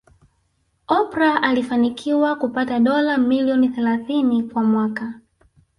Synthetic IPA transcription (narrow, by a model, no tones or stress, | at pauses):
ɔpɾaʔalifanikʰiwakupataɗɔlamiliɔniθɛlaθinikwamwaka